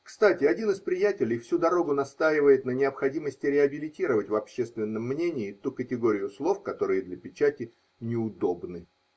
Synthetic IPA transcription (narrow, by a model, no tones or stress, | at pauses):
kst̪atʲɪɐdʲinɨspɾʲɪjætʲɪlʲɪjfsʲud̪ɐɾo̞ɡʊnɐst̪ajɪvəjɪt̪nənʲɪɐpxɐdʲiməsʲtʲɪɾʲɪɐbʲɪlʲɪtʲiɾəvətʲvɐpɕːest̪vʲɪnːəmːnʲenʲɪːt̪ukətʲɪɡo̞ɾʲɪjʊslˠo̞fkɐt̪o̞ɾɨjəd̪lʲəpʲɪt͡ɕætʲɪ | nʲɪʊd̪o̞bnɨ